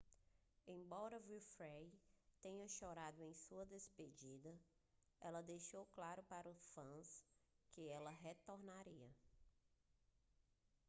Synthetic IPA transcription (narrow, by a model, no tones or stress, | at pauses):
ẽj̃bɔɾɐviwfɾejt̪ẽɲɐʃɔɾad̪ʊẽj̃suɐd̪esped͡ʒid̪ɐ | ɛlɐd̪ejʃowklaɾʊpaɾʊsfɐ̃skɪɛlɐɦet̪oɾnaɾiɐ